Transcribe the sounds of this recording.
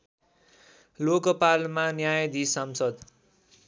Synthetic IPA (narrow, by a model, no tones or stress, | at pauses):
lokʌpalmanjajd̪ʱisamsʌd̪